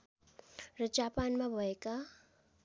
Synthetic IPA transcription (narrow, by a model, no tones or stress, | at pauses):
ɾəd͡ʒapanmãbʱəeka